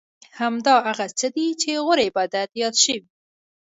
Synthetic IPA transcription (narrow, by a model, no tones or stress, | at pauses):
hamd̪ɑɦaɣat͡səd̪it͡ʃeɣʊɾebɑd̪at̪jɑd̪ʃəwi